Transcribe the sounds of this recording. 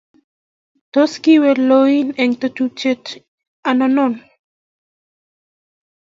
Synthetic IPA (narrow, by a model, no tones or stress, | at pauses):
t̪oskiweloineŋt̪ot͡ʃut͡ʃet | anonon